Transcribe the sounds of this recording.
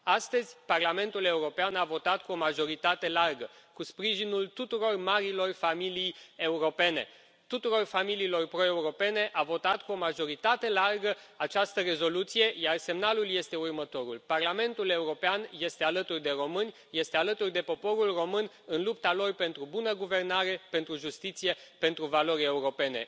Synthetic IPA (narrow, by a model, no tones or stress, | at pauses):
ast̪əzʲparlame̞nt̪ule̞uɾo̞peanavo̞t̪at̪kuo̞maʒo̞ɾit̪at̪e̞larɡəkuspɾiʒinult̪ut̪uɾo̞rmaɾilo̞rfamilijeuɾo̞pe̞ne̞̰ | t̪ut̪uɾo̞rfamiliːlo̞rpɾo̞e̞uɾo̞pe̞ne̞ʔavo̞t̪at̪kuo̞maʒo̞ɾit̪at̪e̞larɡəat͡ʃast̪əre̞zo̞lut̪sije̞jarse̞mnalulje̞st̪e̞urmət̪o̞ɾulparlame̞nt̪ule̞uɾo̞peanje̞st̪e̞alət̪urd̪e̞ɾo̞mɨnʲ | je̞st̪e̞alət̪urd̪e̞po̞po̞ɾulro̞mɨn | ɨnlup̚t̪alo̞rpe̞nt̪ɾubunəɡuve̞rnaɾe̞pe̞nt̪ɾuʒust̪it̪sije̞pe̞nt̪ɾuvalo̞ɾʲe̞uɾo̞pe̞ne̞̰